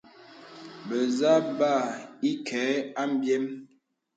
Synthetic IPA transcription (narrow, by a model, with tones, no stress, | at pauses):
bə˨za˦ba˦˨i˦kʰɛ˨˦a˦m˦bjɛ˦m